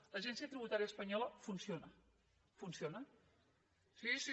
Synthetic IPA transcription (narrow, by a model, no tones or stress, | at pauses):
ləʒɛnsiət̪ɾiβut̪aɾiəspəɲɔləfunsionə | funsionə | sis